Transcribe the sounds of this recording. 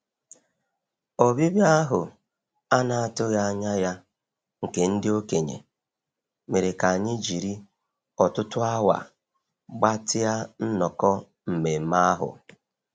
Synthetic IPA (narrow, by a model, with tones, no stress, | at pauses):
o˨bi˦bja˦ɦʊ˨ | a˦na˨a˨tʊ˦ɣa˦a˦ɲa˦ja˦ | ŋ̩˨ke˨n̩˦dɪ˦o˦ke˨ɲḛ˨ | me˨ɾe˨ka˨a˨ɲɪ˦d͡ʒi˨ɾi˦ | ɔ˨tʊ˦tʊ˦a˦wa̰˨ | ɡ͡ba˦tɪ˦a˦n̩˦nɔ˨kɔ˦ | m̩˨me˨ma˦a˦ɦʊ̰˨